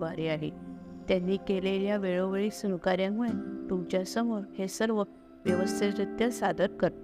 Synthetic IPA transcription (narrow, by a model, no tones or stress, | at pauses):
ʋaɾiaɦḭt̪jãnːiːkeleljaʋeɭoʋeɭiːsənkaɾjãŋɡɭẽt̪umt͡ɕjasəmoɾhesəɾʋə | ʋjəʋəst̪ʰit̪ɾət̪jəsad̪ʱəɾkəɾt̪